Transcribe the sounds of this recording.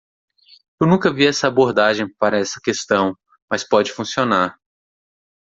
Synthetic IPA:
ewnũkɐviɛsɐːboɾd̪aʒẽj̃paɾɐɛsɐ̥kest̪ɐ̃w̃ | mɐspɔd͡ʒɪfũsionaɾ

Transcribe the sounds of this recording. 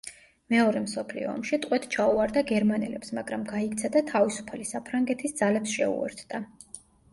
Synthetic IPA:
mɛɔɾɛmsɔpʰlḭɔ̰ːmʃit̪ʼqʼwɛt̪ʰt͡ʃʰauaɾd̪aɡɛɾmanɛ̰lɛpsmaɡɾamɡaikt̪sʰad̪at̪ʰavisu̥pʰalisapʰɾaŋɡɛt̪ʰisd̪zalɛpsʃɛ̰ṵɛ̰ɾt̪ʰd̪̥a

